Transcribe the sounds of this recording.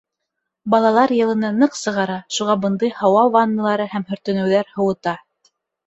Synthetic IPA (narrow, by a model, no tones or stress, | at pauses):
bɑlˠɑlˠɑɾjɤ̆lˠɤ̆nɤnɤqsɤ̆ʁɑɾɑʃuʁɑbɤ̆nd̪ɤjhɑwɑlˠvɑnːɤ̆lˠɑɾɤhæmhɵ̆ɾt̪ɵ̆nɘ̆wðæɾhɤ̆wɤ̆t̪ɑ